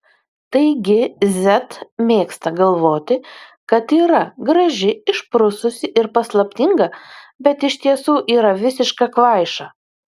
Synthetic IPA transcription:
t̪ɐɪɡʲɪzʲɛt̪mʲeːkst̪ɐɡɐlˠʋoːt̪ʲɪkɐt̪iːɾɐɡɾɐʒʲɪɪʃpɾʊsʊsʲɪʔɪɾpɐslˠɐpʲt̪ʲɪŋɡɐbʲɛt̪ɪʃʲt̪ʲiɛsuːʔiːɾɐʋʲɪsʲɪʃkɑkʋɐɪʃɑ

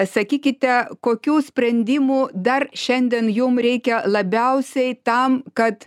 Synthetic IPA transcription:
sɐkʲiːkʲɪt̪ʲɛkoːkʲuːsʲpʲɾʲɛnʲd̪ʲiːmuːd̪ɐrʃʲɛnʲd̪ʲiɛnjʊmɾʲɛɪkʲɛlˠɐbʲɛʊsʲɛɪt̪ɐmkɐt̪

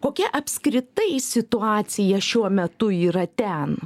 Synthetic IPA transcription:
koːkʲɛʔɐpʲskɾʲɪt̪ɐɪsʲɪt̪ʊɑːt̪sʲɪjɛʃʲuɔmʲɛt̪ʊiːɾɐt̪ʲɛn

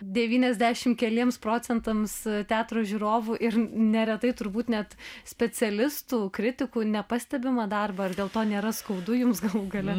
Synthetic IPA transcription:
d̪ʲɛʋʲiːnʲɛzʲd̪ʲæːʃʲɪmkʲɛlʲiɛmspɾoːt͡s̪ʲɛnt̪ɐmst̪ʲæːt̪roːʒʲuːɾoːʋuːʔɪɾnʲɛɾʲɛt̪ɐɪt̪ʊɾbuːt̪nʲɛt̪sʲpʲɛt͡sʲɛlʲɪst̪uːkɾʲɪt̪ʲɪkuːnʲɛpɐsʲt̪ʲɛbʲɪmɐd̪ɐrbɐɐrd̪ʲeːlˠt̪oːnʲeːɾɐskɐʊd̪ʊjʊmsɡɐlˠuːɡɐlʲɛ

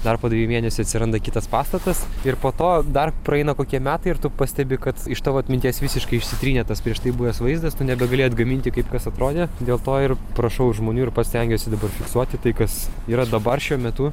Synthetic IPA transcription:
d̪ɐrpoːd̪ɐʋʲijmʲeːnʲɛsʲʊɐt̪sʲɪɾɐnd̪ɐkʲɪt̪ɐspɑːst̪ɐt̪ɐsɪɾpoːt̪oːd̪ɐrprɐɛɪnɐkoːkʲiɛmʲæːt̪ɐɪɪɾt̪ʊpɐsʲt̪ʲɛbʲɪkɐt̪ɪʃt̪ɑːʋoːɐt̪ʲmʲɪnʲt̪ʲiɛsʋʲɪsʲɪʃkɐɪɪʃʲsʲɪt̪ʲɾʲiːnʲɛt̪ɐspʲɾʲiɛʃt̪ɐɪbujʲɛsʋɐɪzd̪ɐst̪ʊnʲɛbʲɛɡɐlʲeːjɐd̪ɡɐmʲɪnʲt̪ʲɪkɐɪpkɐsɐt̪ɾoːd̪ʲeːd̪ʲeːlˠt̪oːɪrpɾɐʃɐʊʒmoːnʲuːɪɾpɐt̪sʲt̪ʲɛŋʲɡʲoʊsʲɪd̪ɐbɐrfʲɪksuɔt̪ʲɪt̪ɐɪkɐsiːɾɐd̪ɐbɐrʃʲuɔmʲɛt̪ʊ

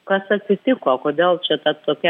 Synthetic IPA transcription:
kɐsɐt̪ʲsʲɪt̪ʲɪkoːkoːd̪ʲeːlˠt͡ʃʲɛt̪ɐt̪oːkʲɛ

